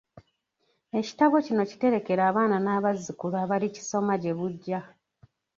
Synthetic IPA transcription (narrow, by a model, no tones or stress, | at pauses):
e̞ci̥taβo̞cino̞ci̥te̞ɾe̞ke̞ɾaːβaːnanaːβazikulaːβalici̥so̞maɟe̞βuɟːa